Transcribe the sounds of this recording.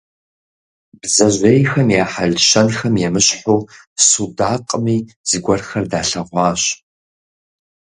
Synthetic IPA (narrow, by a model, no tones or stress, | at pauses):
bzɐʒʷejxɐmjaːħaɮʃɐnxɐmjɛmɨɕħuː | sudaːqʼəmiːz̥ɨɡʷɐrxɐrdaːɬɐʁʷɑːɕ